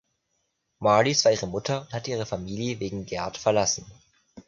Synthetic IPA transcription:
maɐlisv̥aːɐiːʁ̞əmʊtʰɐʊnthatʔiːʁ̞əfamiːljəveːɡŋ̩ɡɛɐtfɛɐlasn̩

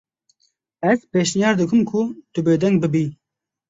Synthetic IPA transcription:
ɛzpeːʃnijɑːɾd̪ɨkʰɨmkʰʊt̪ʊbeːd̪ɛŋɡ̚bɨbiː

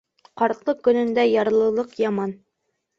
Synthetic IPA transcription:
qɑɾt̪lˠɤkɵ̆nɵ̆nd̪æjɑɾlˠɤ̆lˠɤqjɑmɑn

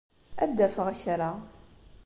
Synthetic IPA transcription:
æ̰d̪ːæfəʁæçɾˤa

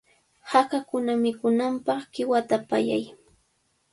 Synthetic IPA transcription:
hakakʊnamɪkʊnampɑχkɪwat̪apaja̰j

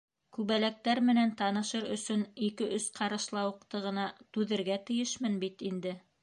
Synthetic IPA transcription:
kʉβælæk̚t̪æɾmɘ̆nænt̪ɑnɤ̆ʃɤɾɵ̆sɵnikɘʔɵsqɑɾɤ̆ʃlˠɑwɤ̆qt̪ɤ̆ʁɤ̆nɑt̪ʉðɘ̆ɾɡæt̪ɘ̆jɘʃmɘnbit̪ind̪ɘ

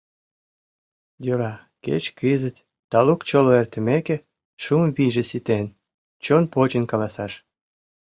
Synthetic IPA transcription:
joɾɑ | kḛt͡ɕkizə̆t̪ʲ | t̪ɑlukt͡ɕoloert̪ə̆mekĕ | ʃumβiʒĕsit̪en | t͡ɕonpot͡ɕə̆nkɑlɑsɑʃ

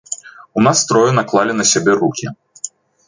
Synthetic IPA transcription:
unast̪ɾɔjunaklˠalʲinɐsʲabʲɛrukʲi

